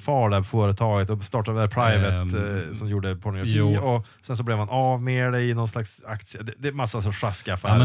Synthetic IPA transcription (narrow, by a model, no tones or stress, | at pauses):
fɑːɖæbfoːɾət̪ʰɑːɡət̪ɔst̪ɑːʈad̪d̪æɾpʰɾaɪvət̪sɔmjuːɖəpʰɔɳjɔuɔ | sɛns̬ɔblɛːvhanʔavmeːɖɛɪnɔnslaksakt̪sɪəd̪ɛd̪ɛmasːasɔʂaskafæ̰ː